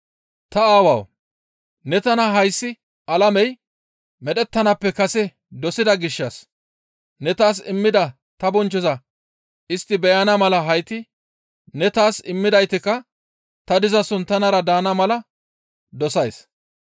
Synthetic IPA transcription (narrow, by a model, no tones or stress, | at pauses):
t̪ɐaːwɐ̰w | nɛt̪ɐnɐɦɐjsːɪ | ʔɐlɐmɛj | mɛɗɛt̪ːɐnɐpːɛkɐsɛ | d̪ɔsɪd̪ɐɡɪʃːɐs | nɛt̪aːs̬ɪmːɪd̪ɐ | t̪ɐbɔnt͡ʃːɔzɐ | ɪst̪ːɪbɛjɐnɐmɐlɐɦɐjt̪ɪ | nɛt̪aːsɪmːɪd̪ɐjt̪ɪkːɐ | t̪ɐd̪ɪzɐsʊnt̪ːɐnɐɾɐd̪aːnɐmɐlɐ | d̪ɔsɐjs